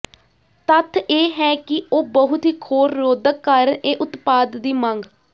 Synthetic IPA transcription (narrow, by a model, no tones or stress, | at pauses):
t̪ət̪ʰːeːɦɛːkɪoːbəɦʊt̪ɦiːkʰoːɾːoːd̪əkːəɾeːʔʊt̪paːd̪ːiːməŋɡ